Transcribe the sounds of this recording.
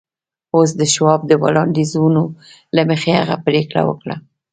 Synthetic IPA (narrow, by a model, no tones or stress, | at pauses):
os̬d̪əʃwɑb̚d̪əwalɑnd̪izuno | lamexeaɣapɾekɽa̰wə̰kɽa̰